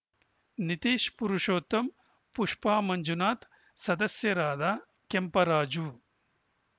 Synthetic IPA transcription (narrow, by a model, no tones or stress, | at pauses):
nit̪iːʃpuɾuʂoːt̪ɐm | puʂpaːmɐɲd͡ʒunaːt̪ | sɐd̪ɐsjɐɾaːd̪aː | kempɐɾaːd͡ʒuː